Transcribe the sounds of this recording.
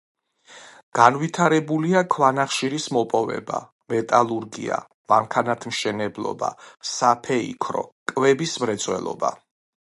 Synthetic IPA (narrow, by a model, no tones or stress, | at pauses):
ɡ̥anvit̪ʰaɾɛbuliakʰvanaχʃiɾismɔpʼɔvɛ̰ba̰ | mɛt̪ʼalˠuɾɡḭa̰ | mamkʰanat̪ʰmʃɛnɛblˠɔ̰ba̰sapʰɛḭkʰɾɔ̰kʼvɛbismɾɛt̪sʼwɛ̰lˠɔ̰ba̰